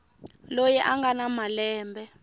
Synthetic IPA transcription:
lojɛʔaŋɡanamalɛːmbʱɛ

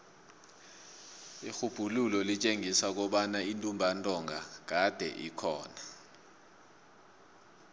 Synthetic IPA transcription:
ixub̥ʱululɔlit͡ʃʼeŋisak̬ɔɓanaintʼumbʱantʼɔŋʱak̬ad̥ʱɛ̰ʔḭkʰɔːna

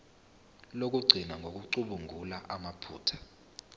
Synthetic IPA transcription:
lok̬ʼuɡ͡ǀʱinaŋɡʱok̬uǀuɓuŋʱulaʔamapʰṵːtʰḁ

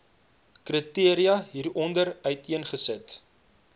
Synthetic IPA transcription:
krətiəɾiɐɦiːrɔndəɾœɥtiənχəsət

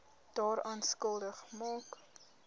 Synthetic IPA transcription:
d̥ɑːɾʔɑːnskəlˠdəχmɑːk

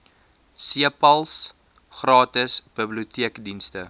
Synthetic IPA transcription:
siəpɐlˠs | χrɑːtəsb̥əbliutiəkdinstə

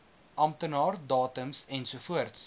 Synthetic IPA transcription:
ʔɐmtənɑːrdɑːtəmsɛnsufuərts

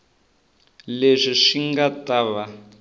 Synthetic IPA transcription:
leʂiʂiŋɡataβa

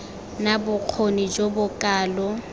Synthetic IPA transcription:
nabʊq͡χʰonid͡ʒobʊkʼaːlɔ

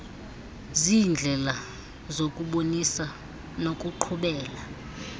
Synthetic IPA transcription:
zind͡ɮʱɛla | zokʼuɓonisa | nokʼuǃʰuɓɛːla

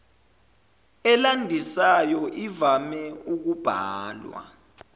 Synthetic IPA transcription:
ɛlandʱisajɔʔivamɛuk̬ub̥ʱaːlwa̰

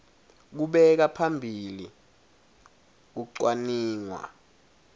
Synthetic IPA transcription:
k̬uɓɛk̬apʰambʱili | k̬uǀwaniːŋwa̰

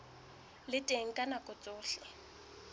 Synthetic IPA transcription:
lɪtʼeŋ̩kʼanakʼʊt͡sʼʊːɬɪ

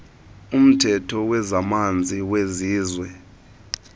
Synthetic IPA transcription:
um̩tʰɛtʰɔwɛzamand͡zʱiweziːzwɛ

